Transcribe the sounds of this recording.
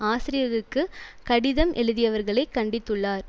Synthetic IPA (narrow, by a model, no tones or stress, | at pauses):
aːsɪɾɪjɐɣɐkːɯkɐɽɪðɐmʔɛɻɯðɪjɐʋɐɾɣɐɭɐɪkːɐɳɖɪt̪ːɯɭːaːɾ